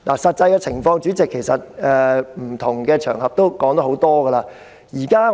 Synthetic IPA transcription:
lʔa̰ː˨˩sɐ˨t̚t͡sɐ˧jkɛ˧t͡sʰɪ˨˩ŋfɔː˧ŋt͡ʃyː˨˥t͡sɪ˨kʰːe˨˩jsɐ˨t̚ɛː˨˧m̩˨˩t̪ʰʊ˨˩ŋkɛː˧t͡ʃʰœ̰ː˨˩ŋhɐ˨p̚t̪o˥wkɔː˨˥ŋt̪o˧˥ho˨˥wt̪ɔː˥ɡɐ˧laː˧ | jiː˨˩kaː˥

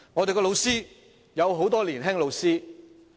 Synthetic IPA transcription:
ŋɔː˨˧t̪e˨kɔː˧lo˨˧wsiː˥ | jɐ˨˧wɦo˨˥wt̪ɔː˥liː˨˩nɦɛ˥ŋlo˨˧wsiː˥

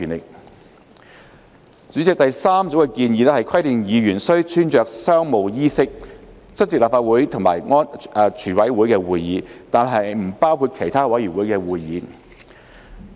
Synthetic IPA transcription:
nɪ˨k̚ | t͡syː˨˥t͡sɪ˨k̚t̪ɐ˨jsaː˥mt͡so˨˥wɛ˧kiː˧njiː˨˧lɛ˥hɐ˨jkʰɐ˥jt̪ɪ˨ŋjiː˨˧jyː˨˩nsɵ˥ɥt͡ʃʰyː˥nt͡ʃœː˨k̚sœː˥ŋmo˨˧wjiː˥sɪ˥k̚ | t͡sʰɵ˥t̚t͡siː˧k̚laː˨pfaː˧t̚wuː˨˥jt̪ʰʊ˨˩ŋmaː˨˩jŋɔː˥nː˨˧t͡ʃʰyː˨˩wɐ˨˥jwu˨˥jkɛː˧wuː˨jjiː˨˧t̪aː˨nɦɐ˨jm̩˨˩paː˥wkʰuː˧t̚kʰe˨˩jt̪ʰaː˥wɐ˨˥jyː˨˩wuː˨˥jkɛː˧wuː˨jjiː˨˧

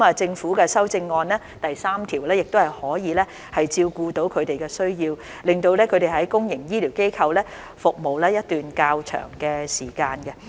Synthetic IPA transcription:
maː˨t͡sɪ˧ŋfuː˨˥kɛː˧sɐ˥wt͡sɪ˧ŋːɔː˧nlɛː˥t̪ɐ˨jsaː˥mt̪ʰiː˨˩wlɛː˥jɪ˨k̚t̪o˥hɐ˨jhɔː˨˥jiː˨˧lɛː˥ | hɐ˨jt͡siː˧wkuː˧t̪o˨˥wkʰɵ˨˧ɥt̪e˨jkɛː˧sɵ˥ɥjiː˧w | lɪ˨˩ŋt̪o˧wlɛː˥kʰɵ˨˧ɥɾe˨jɦɐ˨˥jkʊ˥ŋjɪ˨˩ŋjiː˥liː˨˩wke˥jkʰɐ˧wlɛː˥ | fʊ˨k̚mo˨wlɛː˥jɐ˥t̚t̪ːyː˨nkaː˧wt͡ʃʰœ̰ː˨˩ŋkɛː˧siː˨˩kaː˧nkɛ˧

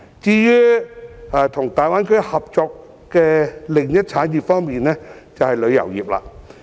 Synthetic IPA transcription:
t͡siː˧jyː˥ | a˨˧t̪ʰʊ˨˩ŋt̪aː˨jwaː˥nkʰɵ˥hɐ˨p̚t͡sɔː˧k̚ | kɛː˧lɪ˨˩ŋjɐ˥t̚t͡sʰaː˨˥njiː˨˩p̚fɔː˥ŋmiː˨nnɛː˥ | t͡sɐ˨whɐ˨jlɵ˨˧ɥjɐ̰˨˩wjiː˨p̚la̰ː˧

